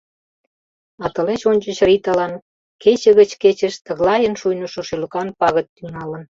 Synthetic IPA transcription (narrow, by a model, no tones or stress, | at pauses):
ɑt̪ə̆let͡ɕonʲt͡ɕə̆t͡ɕrit̪ɑlɑn | ket͡ɕə̆ɣət͡ɕket͡ɕə̆ʃt̪ə̆ɣlɑjənʃujnə̆ʃoʃelə̆kɑnpɑɣə̆t̪ːyŋɑlə̆n